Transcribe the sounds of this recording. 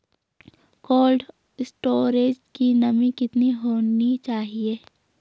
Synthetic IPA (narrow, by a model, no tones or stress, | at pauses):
koːlɖ | sʈoːɾeːd͡ʒkinɐmĩkɪt̪niɦoːnit͡ʃaːɦieː